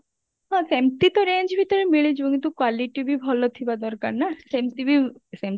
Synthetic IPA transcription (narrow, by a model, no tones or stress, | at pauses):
ɦãsemt̪it̪ɔɾend͡ʒbʱit̪ɔɾemiɭed͡ʒboŋit̪ukwaliʈibʱibʱɔlɔt̪ʰibad̪ɔɾkaɾnasemt̪ibʱisem